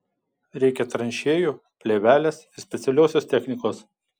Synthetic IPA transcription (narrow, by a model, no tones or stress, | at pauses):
ɾʲɛɪkʲɛt̪ɾɐnʲʃʲeːjuː | pʲlʲeːʋʲæːlʲesɪɾsʲpʲɛt̪sʲɛlʲoːsʲoːst̪ʲɛxʲnʲɪkoːs